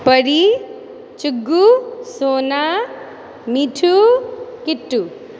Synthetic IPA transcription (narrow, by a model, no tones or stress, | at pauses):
pəɾi | t͡ʃuɡːusoːna | miʈʰukiʈːu